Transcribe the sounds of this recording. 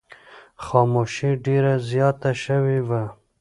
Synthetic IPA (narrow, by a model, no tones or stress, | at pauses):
xɑmoʃiɖeɾazjɑt̪aʃəwiva